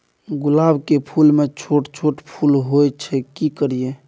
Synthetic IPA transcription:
ɡʊlabkepʰulmet͡ʃʰoʈt͡ʃʰoʈpʰulɦojt͡ʃʰɛkikəɾije

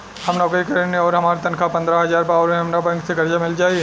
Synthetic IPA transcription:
hɐmnɔːkəikɐɾənẽɔːɾɦɐmaːɾat̪ɐnkʰapɐ̃nd̪ɾaɦɐzaːɾbaːʋɾmẽɦɐmnabɛ̃ːŋkseɡɐɾd͡ʒamɪld͡ʒaːiɛ

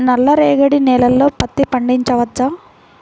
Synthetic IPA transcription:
nɐlːɐɾeːɡɐɽinɛːlɐlːo̞ːpɐt̪ːipɐɳɖiɲt͡ʃɐʋɐt͡ʃɐ

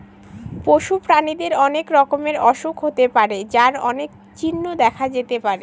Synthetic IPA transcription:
poʃupɾanid̪eɾɔnekɾɔkomeɾɔʃukɦot̪epaɾed͡ʑaɾɔnek̚ | t͡ɕinːod̪ɛkʰad͡ʑet̪epaɾe

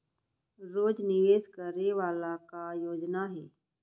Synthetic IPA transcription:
ɾoːd͡ʒnɪʋeːskəɾeʋaːlakajoːd͡ʒnaɦɛː

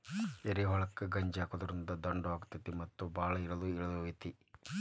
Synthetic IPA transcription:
eɾiɦɔɭɐkːɐɡɐɲd͡ʒaːkod̪ɐɾind̪ɐd̪ɐɳɖaːɡut̪ːɐt̪imɐt̪ːubaːɭɐiɽɐluiɭɐluit̪i

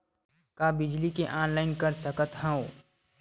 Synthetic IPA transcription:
kabɪd͡ʒlikeʔãːnlaːɪnkəɾsəkət̪ɦə̃õ

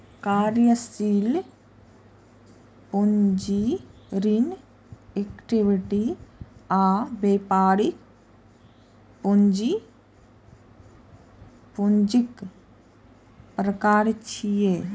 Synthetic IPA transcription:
kaːɾjəsil | puɲd͡ʒi | ɾin | ekʈiʋiʈi | aːbeːpaːɾik | puɲd͡ʒi | puɲd͡ʒik | pɾəkaːɾt͡ʃʰijeː

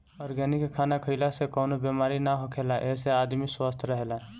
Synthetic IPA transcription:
ɔɾɡɛnikkʰːanakʰəɪlasekɔːnobemaɾinaɦokʰelaʔesead̪miswast̪ʰɾəɦela

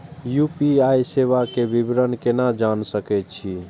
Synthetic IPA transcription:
jupiajseβakebibɾənkenad͡ʒansəkɛt̪t͡ʃʰi

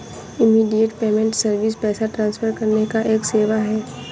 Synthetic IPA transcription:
ɪmiːɖijəʈpeːmɛ̃ɳʈsɐɾʋɪspɛːsaʈɾãːnsfʰəɾkɐɾnekaʔeːkseːʋaɦɛː

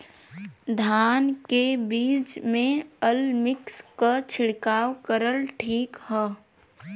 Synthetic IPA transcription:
d̪ʱaːnkebiːt͡ʃmẽəlmɪkskat͡ʃʰɪɽkaːwkəɾəlʈʰiːkɦɛː

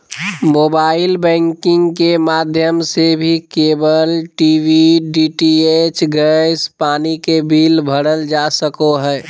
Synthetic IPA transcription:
moːbaːɪlbɛ̃ŋkɪ̃ŋɡkemaːd̪ʱjəmsebʱikeːbəlʈiʋiɖiːʈiet͡ʃɡɛspaːnikebʱiːlbʱəɽəld͡ʒasəkoɦɛː

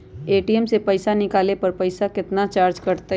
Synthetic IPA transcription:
eːʈiɛmsepɐɪsanɪkaːlepɐɾpɐɪsakɪt̪nat͡ʃaːɾd͡ʒkɐɾt̪a

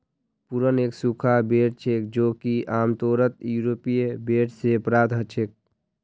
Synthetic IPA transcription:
puɾəneːksukʰabeʈ̚t͡ʃʰek̚d͡ʒokiʔaːmt̪oɾət̪̚juɾopijebeʈsepɾat̪ɦət͡ʃʰek̚

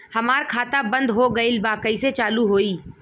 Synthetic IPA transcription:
hɐmaːɾkʰaːt̪abɐ̃nd̪ɦoɡɐɪlbaːkəiset͡ʃaːluɦoːiː

